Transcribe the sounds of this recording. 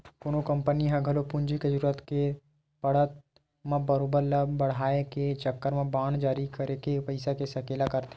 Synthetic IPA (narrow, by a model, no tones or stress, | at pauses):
koːnokɐ̃mpəniɦãɡʱɐlopʊ̃ɲd͡ʒiked͡ʒəɾuːɾət̪ke | pɐɽət̪̚ | mãbɐɾoːbəɾlabɐɽ̤aːeket͡ʃɐkːəɾmãbaːnd͡ʒaːɾikɐɾekepɐɪsakesɐkeːlakɐɾt̪e